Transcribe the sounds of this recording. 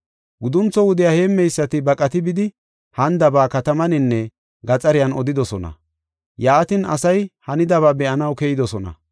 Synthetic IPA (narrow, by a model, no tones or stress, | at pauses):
ɡʊd̪ʊnt͡sːɔwʊd̪ɪjaːheːmːɛjsːɐt̪ɪbɐkʼɐt̪ɪbɪd̪ɪ | hɐnd̪ɐbaːkɐt̪ɐmɐnɪnːɛ | ɡɐt͡sʼɐɾɪjɐnɔd̪ɪd̪ɔsɔnɐ̰ | jaːt̪ɪnɐ̰sɐjhɐnɪd̪ɐβaːbɛʔɐnɐwkɛjɪd̪ɔsɔnɐ̰